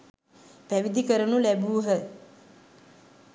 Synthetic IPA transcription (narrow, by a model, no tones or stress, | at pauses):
pæʋid̪ʱikəɾənulæbuːɦə